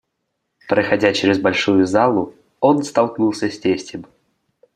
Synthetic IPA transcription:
pɾəxɐdʲat͡ɕɪɾʲɪzbɐlʲʂujʊzalˠʊ | o̞nst̪ɐlˠknulˠsʲəsʲtʲesʲtʲɪm

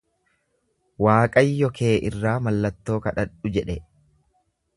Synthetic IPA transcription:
waːkʼɐjːɔkʰe̞ːʔɪrːaːmɐlːɐt̪ːo̞ːkɐᶑɐᶑʊd͡ʒɛᶑɛ

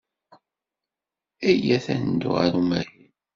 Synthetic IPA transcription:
æjæθæ̰nd̪ʊ̰ʁa̰ɾumæɾi

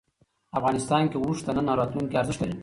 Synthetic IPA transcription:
afɣɑnɪst̪ɑnkewɾuʂt̪ananːɑɾɑt̪luŋkeaɾzɪʃt̪al

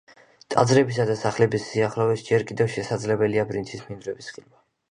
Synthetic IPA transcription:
t̪ʼa̰d̪zɾɛbisad̪asaχlɛbisːiaχlɔvɛsd͡ʒɛɾkʼid̪ɛvʃɛsad̪zlɛbɛliabɾinsʰismind̪ɾɛbisχilma

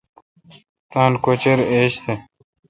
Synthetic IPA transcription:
t̪aːnkot͡ɕeɾeːɕt̪ʰe

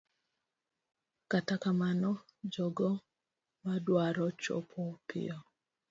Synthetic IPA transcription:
katakamanɔ | d͡ʒɔɡɔ | madwaɾɔt͡ʃo̰pʰopʰɪ̰ɔ

